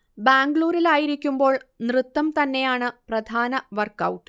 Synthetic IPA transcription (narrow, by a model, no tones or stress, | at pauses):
baːŋɡɭuːɾilaːjiɾikʲːumbo̞ːɭnrɨt̪ːɐmt̪ɐnːe̞jaːɳɨprɐd̪ʱaːnɐʋɐrkːɐwʈːɨ̥